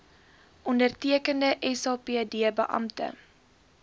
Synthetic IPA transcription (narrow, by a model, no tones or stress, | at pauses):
ʔɔndərtiəkəndəʔɛsɑːpiədiəbəʔɐ̰mtə̰